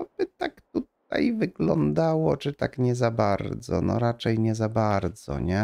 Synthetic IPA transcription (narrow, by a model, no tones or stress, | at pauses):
ɔbɘt̪akt̪ut̪̚a̰jvɘɡlɔnd̪awɔt͡ʂɘt̪akɲɛzabaɾd̪zɔ̰nɔ̰ɾat͡ʂɛjɲɛzabaɾd̪zɔ̰ɲɛ